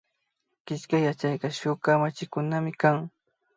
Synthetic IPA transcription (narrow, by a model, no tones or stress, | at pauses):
kɪʃkajat͡ʃajkɑʃʊkamat͡ʃɪkʊnamɪkaŋ